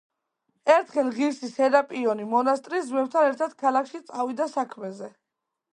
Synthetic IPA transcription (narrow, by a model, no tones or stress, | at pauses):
ɛɾt̪ʰχɛlˠʁiɾsisɛd̪apʼiɔnimɔnast̪ʼɾizmɛft̪ʰanɛɾt̪ʰad̪̥kʰalakʰʃit̪sʼavid̪asakʰmɛzɛ